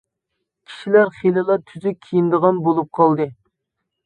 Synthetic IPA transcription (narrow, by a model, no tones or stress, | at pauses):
kʲʰi̥ʃilæɾχelɨlˠɑt̪ʰyzykʲʰijind̪əʁɑnbolˠup̚qʰɑlˠd̪ɨ